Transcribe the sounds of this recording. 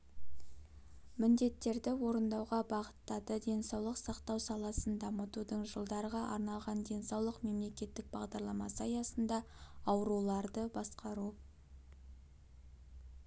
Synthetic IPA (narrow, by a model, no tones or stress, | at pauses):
mɪnd̪e̞t̪ːe̞ɾd̪ɪwo̞ɾənd̪ɑwʁɑbɑʁət̪ːɑd̪əd̪e̞nsɑwlˠəqsɑqt̪ɑwsɑlˠɑsənd̪ɑmət̪ud̪əɴʒəlˠd̪ɑɾəʁɑʔɑ̰ɾnɑlˠʁɑnd̪e̞nsɑwlˠəqme̞mle̞kʲe̞t̪ːɪk̚bɑʁd̪ɑɾlˠɑmɑsəɑjɑsənd̪ɑɑwəɾulˠɑɾd̪əbɑsqɑɾu